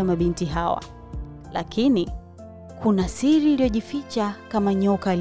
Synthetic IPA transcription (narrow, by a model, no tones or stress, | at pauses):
amaɓintiɦawa̰ | la̰kʰini | kʰunasiɾiːliɔʄifit͡ʃakamaɲɔkal